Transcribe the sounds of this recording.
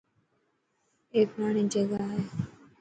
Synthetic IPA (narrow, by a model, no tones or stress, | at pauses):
eːkmaːɳ̃ĩd͡ʒəɡaːɦe